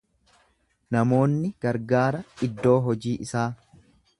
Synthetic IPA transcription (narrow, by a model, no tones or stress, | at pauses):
nɐmo̞ːnːɪɡ̥ɐɾɡaːɾɐɪd̪ːo̞ːɦɔd͡ʒiːʔɪsaː